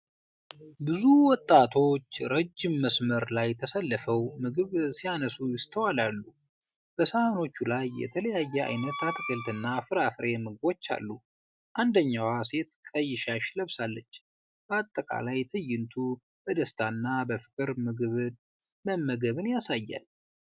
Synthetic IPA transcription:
bɨzuwɔt̪ʼːat̪ʰo̞t͡ʃːɾəd͡ʒːɪmːəsməɾlajt̪ʰəsəlːəfəwmɨɡɨβsijanəsujɪst̪ʰəwalalːu | b̥əsəmano̞t͡ʃːulajːɛ̰t̪ʰələjajːɛa̰jnət̪at̪ʰɨkʼɨlt̪ɨnːafɨɾafɾe̞mɨɡɨbo̞t͡ʃːa̰lːu | ʔand̪əɲːawase̞t̪kʼəjːɪʃaʃləβsalːət͡ʃː | b̥əat̪ʼːəkʼa̰lajt̪ʰɨjːɪnt̪ʰu | bəd̪əst̪ʰanːabəfɨ̥kʼɨɾmɨɡɨβɨ | məmːəɡəβɨnjasajːa̰l

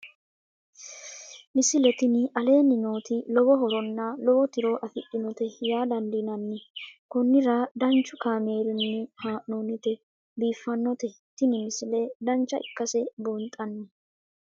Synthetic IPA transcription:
mɪsɪlɛt̪ɪnɪʔɐle̞ːnːɪno̞ːt̪ɪlɔbɔɦɔɾɔnːɐlɔbɔt̪ɪɾo̞ːʔɐfɪɗɪnɔt̪ɛjaːd̪ɐnd̪ɪnɐnːɪkɔnːɪɾɐd̪ɐnt͡ʃːʊkaːmeːɾɪnːɪhaːʔnoːnɪt̪ɛ | biːfːɐnːɔt̪ɛ | t̪ɪnɪmɪsɪlɛd̪ɐnt͡ʃːɐɪ̰kːɐsɛbɔnt̪ʼːɐnːɪ

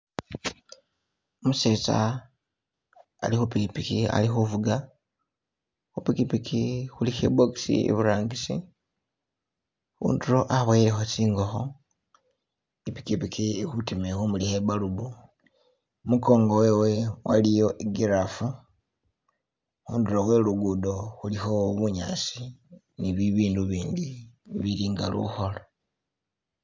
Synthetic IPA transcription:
omuseːt͡sa̰ | lixupikipikia̰lixuvuɡa | xupikipikʰixulixeboksḭḛβuɾaːŋɡisḭ | xṵːntuɾoʔaβweilexot͡ʃiːŋɡoxo | ipi̥kipikʰixutimexumulihebalubu | muko̞ːŋɡowe̞we̞walijo̞ʔiɡiɾafu | xuːnduɾowe̞luɡudo̞xulixo̞βuɲa̰si | niβiβiːnduβiːndiβiɾiːŋɡalṵxo̞lo

